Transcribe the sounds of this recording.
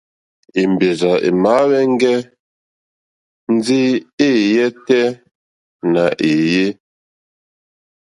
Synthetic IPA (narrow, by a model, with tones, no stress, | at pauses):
i˨m˨be˨za˨ʔḛ˨ma˨˦wɛ˦ŋ˦ɡɛ˦ | n̩˦d͡zi˦e˦˨jɛ˦tɛ˦ | na˨ʔe˨je˦